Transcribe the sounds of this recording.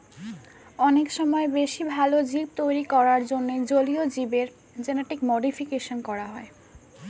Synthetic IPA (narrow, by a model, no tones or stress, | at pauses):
ɔnekʃɔmɔebeʃibʱalod͡ʑib̚t̪ojɾikɔɾaɾd͡ʑonːed͡ʑoliod͡ʑibeɾ | d͡ʑeneʈikmoɖifʰikeʃonkɔɾaɦɔe